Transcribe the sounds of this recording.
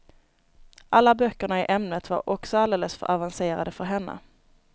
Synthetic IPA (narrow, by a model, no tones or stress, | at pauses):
ʔalːabœkːəɳaɪʔɛmnət̪va̰ɾɔksɔald̪eːləsfœ̰ɾʔavanseːɾa̰d̪əfœɾɦɛnːə̰